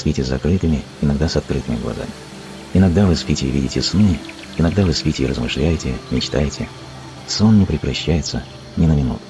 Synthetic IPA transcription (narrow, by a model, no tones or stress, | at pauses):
spʲitʲɪzɐ̰kɾɨt̪ɨmʲɪɪnɐɡd̪asɐt̪̚kɾɨt̪ɨmʲɪɡlˠɐ̰za̰mʲɪ | ɪnɐɡ̚d̪avɨspʲitʲɪvʲḭdʲɪtʲɪsnɨ | ɪnɐɡd̪avɨspʲitʲɪːrəzmɨʂlʲæjɪtʲɪmʲɪt͡ɕt̪a̰jɪtʲɪ | sonːʲɪpɾʲɪkɾɐɕːæjɪt̪sə | nʲɪnəmʲɪnṵt̪ʊ̥